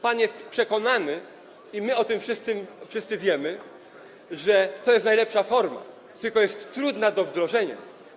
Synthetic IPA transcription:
panjɛst̪pʂɛkɔnanɘ | imɘɔt̪ɘmfʂɘst̪sɘmfʂɘst̪sɘvʲjɛmɘ | ʐɛt̪ɔjɛst̪najlɛpʂafɔɾma̰ | t̪ɘlkɔjɛst̪ːɾud̪nad̪ɔvd̪ɾɔʐɛɲa̰

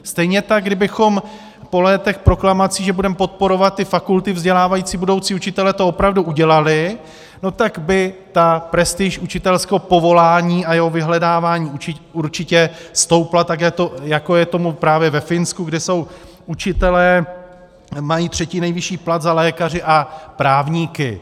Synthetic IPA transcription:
st̪ɛjɲɛt̪aɡ̚ɡdɪbɪxo̞m | po̞lɛːt̪ɛxpɾo̞klamat͡siːʒɛbudɛmɛpo̞t̪̚po̞ɾo̞vat̪̚ːɪfakult̪ɪvzɟɛlaːvajiːt͡siːbudo̞wt͡siːut͡ʃɪt̪ɛlɛːt̪o̞opɾavduʔuɟɛlalɪ | no̞t̪aɡbɪt̪apɾɛst̪ɪʃʔut͡ʃɪt̪ɛlskɛɦopo̞vo̞laːɲiːʔajɛɦo̞vɪɦlɛdaːvaːɲiːut͡ʃɪuɾt͡ʃɪcɛst̪o̞wplat̪ak̬jakt̪o̞jako̞jɛt̪o̞mupɾaːvjɛvɛfɪnskuɡdɛso̞w | ʔut͡ʃɪt̪ɛlɛː | majiːt̪r̝̥ɛciːnɛjvɪʃiːplat̪zalɛːkar̝ɪʔapɾaːvɲiːkɪ

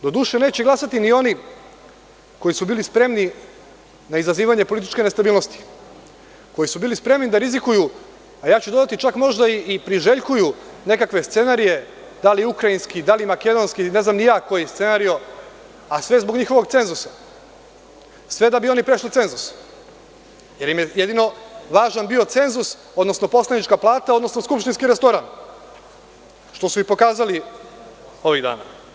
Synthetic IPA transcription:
d̪o̞d̪uːʃene̞ːt͡ɕeɡlˠasat̪inio̞ni | ko̞jisubilispɾe̞mni | naizaziːʋaɲe̞polit̪i̥t͡ʃke̞ne̞st̪abiːlˠno̞st̪i̥ | ko̞jisubiːlispɾe̞mnid̪aɾizikuju | ajaːt͡ɕud̪od̪at̪it͡ʃakmo̞ʒd̪aiːpɾiʒe̞ʎkujune̞kakʋe̞st̪se̞naɾije̞ | d̪aliukɾainskid̪alimake̞d̪o̞nskine̞znamnijaːko̞jest̪se̞naɾijo̞ | asʋe̞zboɡɲixo̞ʋo̞ɡt̪se̞nzusa | sʋe̞d̪abio̞nipɾe̞ʃlit̪se̞nzus | je̞ɾimjejed̪ino̞ʋaːʒanbio̞t̪se̞nzus | od̪no̞sno̞po̞slanit͡ʃkaplˠaːt̪aod̪no̞sno̞skupʃt̪inskiɾest̪o̞ɾan | ʃt̪o̞suipo̞kaːzali | o̞ʋiɣd̪a̰ːna̰

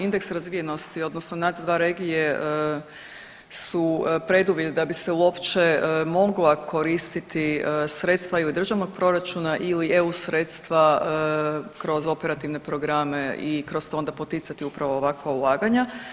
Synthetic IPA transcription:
ind̪eksɾazʋije̞no̞st̪io̞d̪nosnonat̪d̪ʋaːɾe̞ɡijeə | supɾe̞d̪uʋjed̪ed̪abiseuo̞pt͡ʃemo̞ɡlakʰo̞ɾist̪it̪isɾe̞t̪st̪ʋailid̪ɾr̩ʒaʋno̞ɡ̚pɾo̞ɾat͡ʃunaʔilieusɾe̞t̪st̪ʋa | kɾo̞zo̞pe̞ɾat̪iʋne̞pɾo̞ɡɾame̞ikɾo̞st̪oond̪apo̞t̪it̪sat̪iupɾaʋo̞ːʋakʋaulˠaːɡaɲa

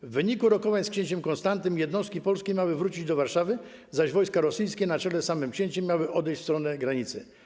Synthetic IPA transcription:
vːɘɲikuɾɔkɔvaɲskɕeɲt͡ɕɛmkɔ̃nst̪ant̪ɘmjɛd̪nɔst̪kʲipɔlskʲemʲjawɘvɾut͡ɕid͡ʑd̪ɔvaɾʂavɘ | zaʑvɔjskaɾɔsɘjskʲɛnat͡ʂɛlɛsamɘmkɕeɲt͡ɕɛmʲːjawɘʔɔd̪ɛjt͡ɕfst̪ɾɔnɛɡɾaɲit̪sɘ

